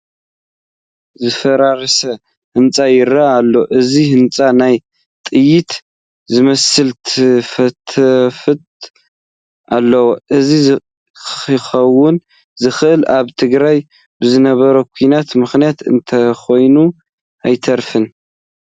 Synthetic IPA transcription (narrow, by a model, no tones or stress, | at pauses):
zɨfɐɾaɾsɐ | hɨnt͡sʼajɪɾaːlːo̞ʔɨzihɨnt͡sʼanaj | t̪ʼɨjɪt̪ | zɨmɐsɨlt̪ʰfɐt̪ʰɐfɨt̪ʼ | alːɐwoʔɨzi | xɐwːʊn | zɨxʔɨlaβt̪ʰɨɡɾaj | bɨzɨnɐβɐɾɐkʷʰinat̪mɨxnijat̪ɨ̰nt̪ʰɐxo̞jnu | ʔajt̪ʰɐɾfɨn